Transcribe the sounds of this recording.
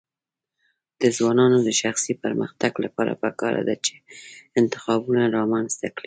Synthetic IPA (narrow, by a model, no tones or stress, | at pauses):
d̪̥əzwɑnɑnod̪əʃaxsipəɾmə̰xt̪aɡlapɑɾa̰pəkɑɾa̰d̪at͡ʃe̥ɪnt̪ɪ̥xɑbunaɾɑmanzt̪akɽi